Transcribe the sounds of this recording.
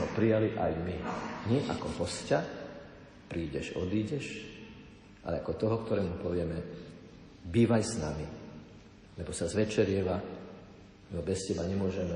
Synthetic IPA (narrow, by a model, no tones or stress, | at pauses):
ɔ̰pɾijaliʔajmiɲɪɛʔa̰kɔpɔsca | pɾiːɟɛʒɔ̰d̪iːɟɛʃ | ʔa̰lɛakɔt̪ɔɦɔkt̪ɔɾɛːmupɔʋɪɛmɛ | biːʋajsnami | lɛbɔsazʋɛt͡ʃɛɾɪɛʋa | nɔbɛscɛbaɲɛmʊɔʒɛmɛ